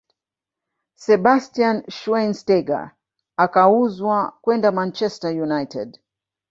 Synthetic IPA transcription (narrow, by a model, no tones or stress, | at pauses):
sɛɓastianʃwɛnstɛɡa̰ | akauzwakwɛndamant͡ʃɛstajunajtʰɛ̰d